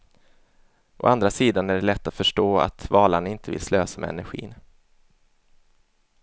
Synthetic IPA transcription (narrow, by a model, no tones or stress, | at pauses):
ʔɔ̰ʔand̪ɾasiːd̪anæɖɛlɛt̪ːat̪fœʂʈoːa̰t̪vɑːlaɳɪnt̪ʰəvɪ̰lsløːsamɛ̰ɛ̰næ̰ɾɧḭːn